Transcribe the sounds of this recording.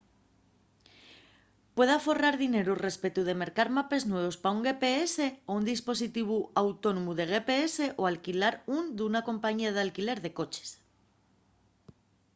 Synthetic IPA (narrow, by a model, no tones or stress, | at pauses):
pwe̞ðafo̞raɾðine̞ɾure̞spe̞t̪uð̞e̞me̞ɾkaɾmape̞znwe̞β̞o̞spauŋɡe̞pe̞ese̞ound̪ispo̞s̬it̪iβ̞uawt̪o̞nomuðe̞ɣ̞e̞pe̞ese̞ʔo̞alkilaɾund̪unako̞mpaɲiaðalkile̞ɾðe̞ko̞t͡ʃe̥s